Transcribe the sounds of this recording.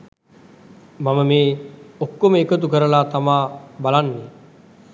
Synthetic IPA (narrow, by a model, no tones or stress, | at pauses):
maməmeːokːoməekət̪ukəɾəlaːt̪amaːbalanːe